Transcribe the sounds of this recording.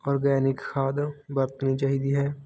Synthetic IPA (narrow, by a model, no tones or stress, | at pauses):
ɔːɾɡɛːnɪkxʰaːd̪bəɾt̪nit͡ʃaːɦid̪iɦɛː